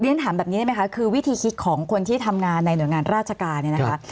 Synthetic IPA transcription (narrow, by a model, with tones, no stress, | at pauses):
ni˦˥˨nt̪ʰaː˩˦mbɛː˨˩pniː˧˦˥ma˦˥kʰa˦˥kʰɯː˧wi˦˥t̪ʰiː˧kʰi˦˥t̪̚kʰɔː˩˦ŋkʰo˧nt̪ʰiː˥˩t̪ʰa˧mŋaː˧nːa˧jnu˩˦jŋaː˧nɾaː˥˩t̪̚t͡ɕʰa˧kaː˧nːi˥˩n˦˧˥ka˦˥